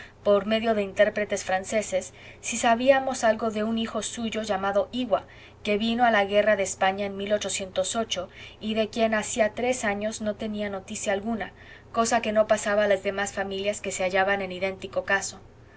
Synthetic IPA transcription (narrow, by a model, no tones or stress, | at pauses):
po̞ɾme̞ðjo̞ðe̞int̪e̞ɾpɾe̞t̪e̞sfɾanse̞se̞sː | isaβiamo̞salɣo̞ðe̞unixo̞suʝo̞ʝamaðo̞iɣwa | ke̞βino̞alaɣe̞raðe̞ːspaɲaenmilo̞t͡ʃo̞sje̞nt̪o̞so̞t͡ʃo̞iðe̞kje̞nasiat̪ɾe̞saɲo̞zno̞t̪e̞niano̞t̪isjaːlɣuna | ko̞sake̞no̞pasaβalazðe̞masfamiljaske̞se̞aʝaβanẽ̞niðe̞nt̪iko̞kaso̞